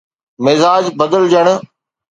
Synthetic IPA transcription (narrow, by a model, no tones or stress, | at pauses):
mɪzaːd͡ʑbəd̪əld͡ʑəɽ̃̆